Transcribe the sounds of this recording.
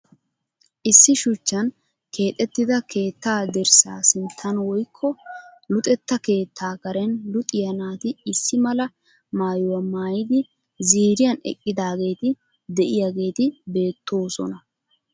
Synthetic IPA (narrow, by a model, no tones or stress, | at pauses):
ʔɪsːɪʃʊt͡ʃːɐn | kʰe̞ːt̪ʼɛt̪ːɪd̪ɐke̞ːt̪ːaːd̪ɛɾsa̰ːsɪnt̪ʰːɐnwɔjkʰːɔlʊt̪ʼɛt̪ːɐke̞ːt̪ʰːaːkɐɾɛnlʊt̪ʼɪjɐnaːt̪ɪɪsːɪmɐlɐ | maːjɔwɐmaːjɪd̪ɪ | ziːɾɪjɐnɛ̰kʼːɪd̪aːɡe̞ːt̪ɪ | d̪ɛʔɪjaɡe̞ːt̪ɪbe̞ːt̪ːo̞ːsɔ̰nɐ